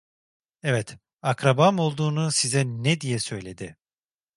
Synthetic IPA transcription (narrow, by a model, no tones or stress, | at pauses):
ɛvɛt̪ | akɾabamo̞lˠd̪uːnusizɛnɛd̪ijɛsø̞jlʲe̞d̪ɪ